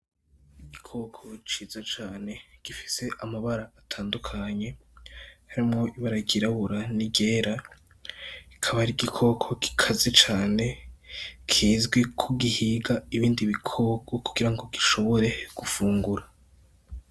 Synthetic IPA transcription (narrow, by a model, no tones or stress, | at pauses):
iɡikʰo̞kʰo̞t͡ʃiːzat͡ʃaːne̞ɡ̥ifiseʔamaβaɾaːtʰaːndukʰaɲe̞ | haɾimŋo̞ʔiβaɾaɡiɾaβuɾaniɟe̞ːɾa | ikʰaβaɾiɡikʰo̞kʰo̞ɡ̥i̥kʰazet͡ʃaːne | kʰiːzɡwe̞kʰuɡihiɡaiβiːndiβikʰo̞ɡokuɡ̥iɾaŋɡo̞ɡiʃo̞βo̞ɾe̞ɡ̥ufuːŋɡuɾa